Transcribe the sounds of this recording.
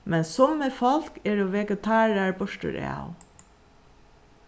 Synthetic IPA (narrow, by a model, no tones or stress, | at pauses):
mɛnsɔmːəfɑlkeːɹoːʋɛɡət̪ʰɑːɹæɹbɔʃʈə̰ɾʔḛː